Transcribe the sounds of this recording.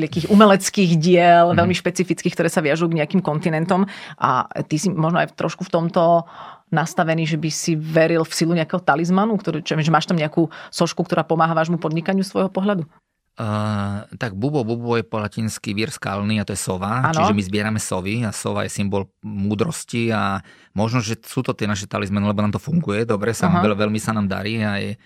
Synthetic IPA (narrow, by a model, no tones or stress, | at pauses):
ɛakiːxumɛlɛt͡skiːɣɟɪɛlʋɛʎmiʃpɛt͡sifit͡skiːkt̪ɔɾɛːsaʋɪaʒujuɡɲɛakiːmkɔnt̪inɛnt̪ɔmʔa̰t̪isimɔʒnɔajft̪ɾɔʃkuft̪ɔmt̪ɔnast̪aʋɛniːʒɛbisiʋɛɾilfsiluɲɛakɛːɦɔt̪alizmanukt̪ɔɾut͡ʃɛʒɛmaːʃt̪amɲɛakuːsɔʃkukt̪ɔɾaːpɔmaːɦaʋaːʒmupɔd̪ɲikaɲɪust̪ʋɔjɦɔpɔɦʎad̪u | t̪aɡ̚bubɔbubɔjɛpɔlacinskiʋiɾska̰lniːat̪ɔjɛsɔʋaant͡ʃ̪iʒɛmizbɪɛɾamɛsɔʋiasɔʋa̰jɛsimbɔlmuːd̪ɾɔscia | mɔʒnɔʒɛsuːt̪ɔt̪ɪɛnaʃɛt̪alizmanilɛbɔnaːmt̪ɔfuŋɡujɛd̪ɔbɾɛsaɛʋɛlmisanaːmd̪a̰ɾiːaj